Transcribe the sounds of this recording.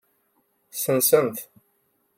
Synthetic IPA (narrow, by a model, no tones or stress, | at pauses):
sənsənθ